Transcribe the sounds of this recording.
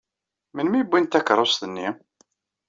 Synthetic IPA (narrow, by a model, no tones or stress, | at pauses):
mənmibʷːint̪ækɾˤosθənːi